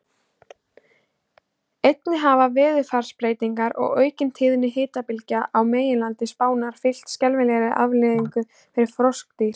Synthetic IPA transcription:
ejt̪nɪɦavavɪːðʏ̥faɾ̥spɾeːjt̪iŋkaɾɔ̰ɣœːɥcɪnt̪ʰɪːðnːɪɦɪːt̪apɪlcaʔawmeːjɪnlant̪ɪspaːwnaɾ̥fɪl̥t̪scɛlvɪlɛːɣɾɪʔavlɪːðiŋkʏ | fɪɾɪɾ̥fɾɔsk̚t̪iɾ̥

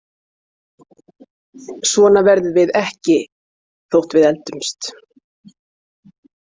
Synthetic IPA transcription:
svɔːnavɛɾðʏvɪðɛhcɪ | θowht̪vɪðɛlt̪ʏmst̪

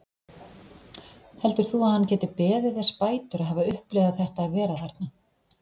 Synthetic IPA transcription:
hɛlt̪ʏɾ̥θuaðhanːcɛːt̪ɪpɛːðɪðɛ̥spaːjt̪ʏɾaðɦaːvaʏhplɛɣðaθɛht̪aːðvɛːɾaðaɾt̪̚na

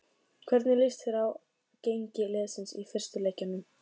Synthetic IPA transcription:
kʰv̥ɛɾt̪nɪlɪst̪ɪɾaw | cejɲcɪlɛːðsɪnsḭfɪr̥st̪ʏleːjcanːʏm

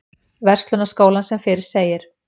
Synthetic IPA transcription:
vɛr̥t̪lʏnaskoːwlansɛmfɪːɾɪɾ̥seːjɪɾ̥

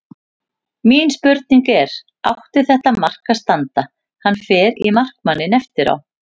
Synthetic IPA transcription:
miːnspʏɾt̪̚niŋkɛɾ̥ | awht̪ɪθɛht̪amar̥kast̪ant̪a | hanːfɛːɾḭmar̥kmanːɪnɛft̪ɪɾa̰w

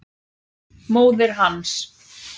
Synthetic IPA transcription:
moːwðɪɾ̥ɦans

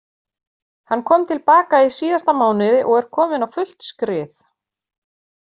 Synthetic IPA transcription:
hanːkʰɔːmt̪ʰɪlpaːkaisiːðast̪amaːwnɪðɪʔɔɣɛɾ̥kʰɔːmɪnawfʏl̥t̪skɾɪːθ

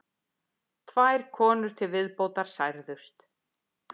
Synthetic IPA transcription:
t̪ʰvajɾ̥kʰɔːnʏɾ̥t̪ʰɪlvɪðpowt̪aɾ̥sajɾðʏst̪

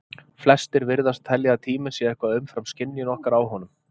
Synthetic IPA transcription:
flɛst̪ɪɾvɪɾðast̪ʰːɛljaat̪ʰiːmɪsjɛɛhkvaðʏmfɾamscɪnːjʏnɔhkaɾawɦɔnʏm

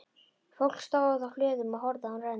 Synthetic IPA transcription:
fowl̥kst̪awðaθawflʏːðʏmaðhɔɾðaanrɛn

